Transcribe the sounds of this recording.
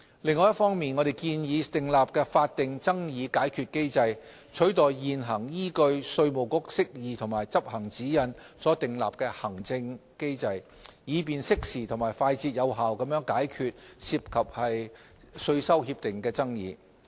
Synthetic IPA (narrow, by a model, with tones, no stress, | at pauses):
lɪ˨˩ŋːɔː˨˧jɐ˥t̚fɔː˥ŋmiː˨nŋɔː˨˧ɾe˨jkiː˧njiː˨˧t̪ɪ˨ŋlaː˨p̚kɛː˧faː˧t̚t̪ɪ˨ŋt͡sɐ˥ŋjiː˨˧kaː˨˥jkʰyː˨˧t̚ke˥jt͡sɐ˧j | t͡ʃʰɵ˨˥t̪ɔː˨jːiː˨nɦɐ˨˩ŋjiː˥kɵ˧ɥsɵ˧ɥmo˨˩wkʊ˨˥k̚sɪ˥k̚jiː˨˧t̪ʰʊ˨˩ŋmaː˨˩jt͡sɐ˥p̚hɐ˨˩ŋt͡siː˨˥jɐ˨˧nsɔː˨˥t̪ɪ˨ŋla̰ː˨p̚kɛː˧hɐ˨˩ŋt͡sɪ˧ŋke˥jt͡sɐ˧j | jiː˨˧p̬iː˨nsɪ˥k̚siː˨t̪ʰʊ˨˩ŋmaː˨˩jfaː˧jt͡siː˧t̚jɐ˨˧wɦaː˨wkɐ˨˧mjœː˨˥ŋkaː˨˥jkʰyː˨˧t̚siː˧p̚kʰɐ˨p̚hɐ˨j | sɵ˧ɥsɐ˥whiː˧p̚t̪ɪ˨ŋkɛː˧t͡sɐ˥ŋjiː˨˧